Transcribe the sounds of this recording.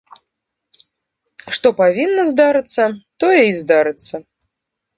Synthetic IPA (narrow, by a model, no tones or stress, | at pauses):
ʂt̪ɔpavʲinːɐzd̪aɾɨt̪sːɐt̪ɔjɛizd̪aɾɨt̪sːɐ